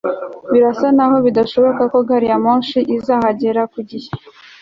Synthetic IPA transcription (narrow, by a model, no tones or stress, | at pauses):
βiɾasanaɦo̞βidaʃo̞βo̞kako̞ɡaɾijamuːnʃiʔizaːhaɟeɾakuɟihe